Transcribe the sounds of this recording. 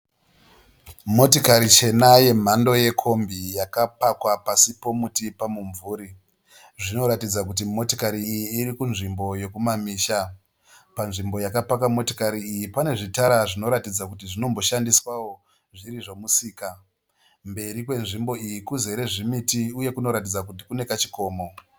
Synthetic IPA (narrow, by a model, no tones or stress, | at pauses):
mo̞tokaɾit͡ʃe̞naje̞m̤ando̞je̞kʰo̞mbijakapakwapasipo̞mutipamuɱvuːɾi | ʐino̞ɾatid͡zakut̬imo̞tokaɾiːjiːɾikunʐimbo̞je̞kumamiːʃa | panʐimbo̞jakapakwamo̞tokaɾiːjipane̞ʐitaɾaʐino̞ɾatid͡zakutiʐino̞mbo̞ʃandiswawo̞ | ʐiriʐo̞musiːka | mbe̞ɾikwe̞nʐimbo̞ijikuze̞ɾe̞ʐimitiuje̞kuno̞ɾat̬id͡zakutikune̞kat͡ʃi̥ko̞ːmo̞